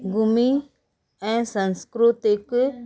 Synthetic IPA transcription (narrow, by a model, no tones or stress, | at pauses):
ɡumĩ | ãsãnskɾut̪ekɨ